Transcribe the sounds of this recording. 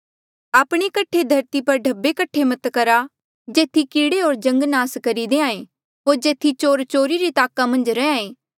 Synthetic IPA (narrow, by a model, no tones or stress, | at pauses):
aːpɽ̃ekɐʈʰed̪ʱɐɾt̪ipɐɾɖʱɐbekɐʈʰemɐt̪kɐɾa | d͡ʒeːt̪ʰikiːɽeɦoːɾd͡ʒɐ̃ŋɡnaːskɐɾid̪eːãːẽː | ɦoːɾd͡ʒeːt̪ʰit͡ʃoːɾt͡ʃoːɾiɾit̪aːkamɐ̃nd͡ʒɾɛãːẽː